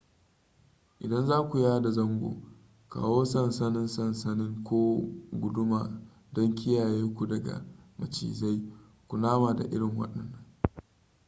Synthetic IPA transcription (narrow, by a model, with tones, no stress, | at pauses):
ʔɪ˨dɐ˦nzaː˦kʷu˨jaː˦da˨zɐ˦ŋɡʷo̰ː˨ | ka̰ː˨woː˦sɐ˦nsɐ˦nɪ˦nsɐ˦nsɐ˦nɪ˦ŋkʷoː˦ɡʷʊ˨dʊ˦maː˨ | dɔ˦ŋkʲʰɪ˦jaː˨jeː˦kʷu˨dɐ˨ɡa̰˨mɐ˨t͡ʃḭː˨za˦j | kʷu˨naː˦maː˨da̰˨ʔɪ˦ɽɪ˨ŋwɐ̰˦ɗɐ˨nːɐ˦ŋ